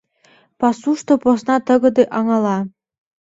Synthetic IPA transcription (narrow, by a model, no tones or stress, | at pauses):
pɑsuʃt̪oposnɑt̪ɤ̆ɡɤ̆d̪ɤʔɑŋɑlˠɑ